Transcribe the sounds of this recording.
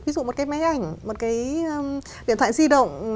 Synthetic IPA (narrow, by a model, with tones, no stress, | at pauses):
vi˨˦zṵ˧˨mo˨˩t̚kaː˨˦jma˨˦jʔa˨˩jŋ̟mo˨˩t̚kaː˨˦j | ɗḭ˧ət̪ʰa̰ː˧˨zi˧ɗə̰˧˨wŋ͡m